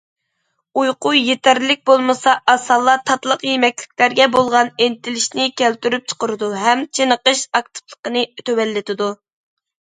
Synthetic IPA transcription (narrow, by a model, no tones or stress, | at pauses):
ujqujjet̪æɾlɪk̚ʲbolˠmɨsɑʔɑsɑlˠːɑt̪ʰɑt̪lˠəqjemɛkʲlɪ̥k̚ʲlæɾɡʲɛbolˠʁɑnent̪ʰɪlɪʃnɪkʲælt̪yɾyp̚t͡ʃʰə̥qəɾɨd̪uɦɛmt͡ʃʰenəqəʃɑk̚t̪ʰɨ̥plˠə̥qənɨt̪ʰøwɛlːɪt̪ɪd̪u